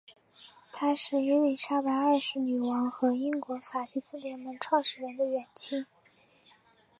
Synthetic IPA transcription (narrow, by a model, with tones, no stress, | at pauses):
t̪ʰa˥ʂɻ̩˥˩i˥li˥˩ʂa˥pa˧˥ɪə˞˥˧˩ʂɻ̩˧˥ny˨˩wə˧˥nxɤ˧˥i˥nkwɔ˧˥fa˨˩t͡ɕʰi˥˩sɹ̩˥˩t̪jɛ˧˥nmə˧˥nʈ͡ʂʰwɑ˥˧ŋʂɻ̩˥˩ɻə˧˥nd̪ə˧ɥɛ˨˩nt͡ɕʰi˥ŋ